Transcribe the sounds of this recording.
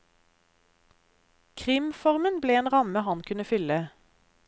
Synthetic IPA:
kʰʁɪmfɔʁmənbleːeːnʁɑməhɑnkʰʉnəfʏlə

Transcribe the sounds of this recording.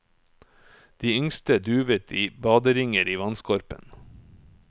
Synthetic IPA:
d̪̥iːʏŋst̪əd̪ʉːʋət̪ʰiːbɑːd̪əɾɪŋəɾiːʋɑnskʰɔɾpə̰n

